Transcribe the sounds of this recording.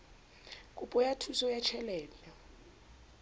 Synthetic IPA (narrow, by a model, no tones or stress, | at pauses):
kʼupʼɔjatʰusɔjat͡ʃʰɛlɛːlɔ